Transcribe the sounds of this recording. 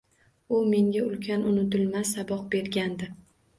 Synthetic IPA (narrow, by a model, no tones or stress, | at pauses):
ʊme̞ŋɡʲaʊlkʲʰanʊnɪt̪ɪlmasabɒq̚be̞ɾɡʲand̪ɪ